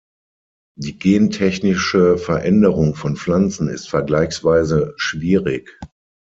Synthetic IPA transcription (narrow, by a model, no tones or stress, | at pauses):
d̥iːɡeːntʰɛçnɪʃəfɛɐʔɛndəʁʊŋfɔnp͡flant͡sn̩ɪ̰stfɛɐɡlaɪçsv̥aɪzəʃv̥iːʁɪk